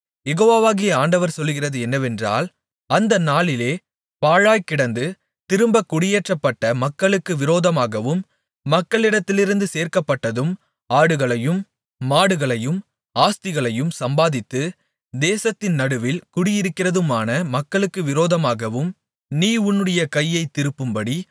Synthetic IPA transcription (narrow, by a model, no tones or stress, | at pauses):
jɛɣoːʋaʋaːɣɪjɐaːɳɖɐʋɐɾsɔlːɯɣɪrɐðɯɛnːɐʋɛndra̰ːl | ɐnd̪ɐnaːɭɪleː | paːɻaːjkːɪɽɐnd̪ɯ | t̪ɪɾɯmbɐkːʊɽɪjeːʈrɐpːɐʈːɐmɐkːɐɭɯkːɯʋɪɾoːðɐmaːɣɐʋɯmː | ɐkːɐɭɪɽɐt̪ːɪlɪɾɯnd̪ɯseːɾkɐpːɐʈːɐðɯm | aːɽɯɣɐɭɐjɯmː | aːɽɯɣɐɭɐjɯm | aːst̪ɪɣɐɭɐjɯmsɐmbaːðɪt̪ːɯ | d̪eːsɐt̪ːɪnnɐɽɯʋɪlkʊɽɪjɪɾɯkːɪrɐðɯmaːnɐmɐkːɐɭɯkːɯʋɪɾoːðɐmaːɣɐʋɯm | niːʊnːɯɽɐjɐkɐjːɐɪt̪ːɪɾɯpːɯmbɐɽi